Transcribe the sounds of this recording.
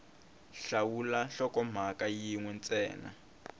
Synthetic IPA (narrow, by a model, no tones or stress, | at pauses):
ɬawulaɬɔkɔm̤akajiŋwɛnt͡sʼɛːna̰